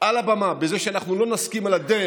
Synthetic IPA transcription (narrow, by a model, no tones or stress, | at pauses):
ʔalabamabeze̞ʃeanaχnulo̞naskimalad̪ee